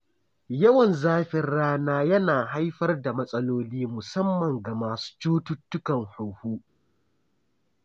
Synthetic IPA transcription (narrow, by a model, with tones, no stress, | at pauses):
jɐ˦wɐ˨nzaː˦ɸɪ˦rːaː˦naː˦jɐ˦naː˨ɦa˦jɸɐ˦rda˨mɐ˦sʼɐ˦loː˦liː˦mʊ˨sɐ˦mːɐ˨ŋɡa˨maː˨su̥ː˦t͡ʃuː˦tʊ˦tːʊ˦kɐ˨ŋhʊ˨huː˦